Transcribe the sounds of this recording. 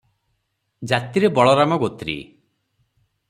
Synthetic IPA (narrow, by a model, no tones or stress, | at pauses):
d͡ʒat̪iɾebɔɭɔɾamɔɡot̪ɾḭ